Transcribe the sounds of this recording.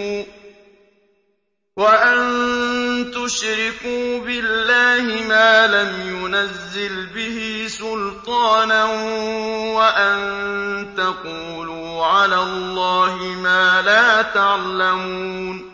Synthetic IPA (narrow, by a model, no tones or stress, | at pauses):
waʔann | t̪ʊʃɾɪkuːbɪlːaːhɪmaːlamjʊnazːɪlbɪhɪsʊlt̪ˤɑːnan | waʔant̪aquːluːʕalaːlːɑːhɪmaːlaːt̪aʕlamuuːn